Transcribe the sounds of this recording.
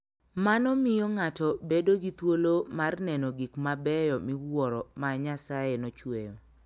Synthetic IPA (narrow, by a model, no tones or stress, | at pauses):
manɔmɪjɔŋatɔbedoɡit̪wolomarnɛnɔɡikmabɛjɔmɪwwɔɾɔmaɲasajenɔt͡ʃwejɔ